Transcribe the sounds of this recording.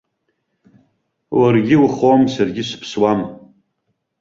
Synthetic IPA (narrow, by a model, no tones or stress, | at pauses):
warɡʲɪwχomsarɡʲɪʃʷpʰswam